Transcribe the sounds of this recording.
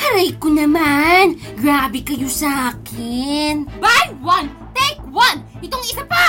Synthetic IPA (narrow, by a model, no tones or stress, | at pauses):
hɐɾɐjkonɐmanɡɾaːbɪkɐjo̞sɐʔaːkʰɪnbajwɐn | t̪ɛk̚wɐn | ʔɪt̪oŋɪsapa